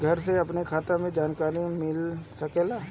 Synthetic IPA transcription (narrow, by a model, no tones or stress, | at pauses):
ɡʱɐɾseɐpnekʰaːt̪amẽd͡ʒaːnkaːɾimɪlsɐkeːlaː